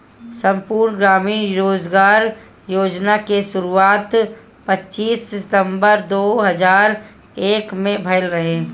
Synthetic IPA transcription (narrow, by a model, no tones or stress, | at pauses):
sə̃mpuːɾɳɡɾaːmiːnɾoːd͡ʒɡaːɾ | joːd͡ʒnakeʃʊɾuaːt̪ | pətːt͡ʃːiːsɪt̪ə̃mbəɾd̪oːɦəzaːɾ | eːkmẽbʱəɪlɾəɦeː